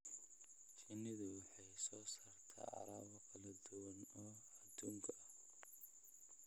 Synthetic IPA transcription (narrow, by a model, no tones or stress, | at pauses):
t͡ʃɪnːɪðʊwɑħɑjsɔːsaːrt̪ʰa̰ːʕɑ̰ɾaːβɐqɐlɐd̪ʊwɐnɔː | ɐd̪uːŋkʰɐʔɐ